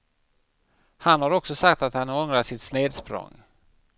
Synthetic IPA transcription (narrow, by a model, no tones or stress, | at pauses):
hanhaɾɔksɔsak̚t̪at̪hanɔŋɾaʂɪt̪sneːd̪spɾɔ̰ŋ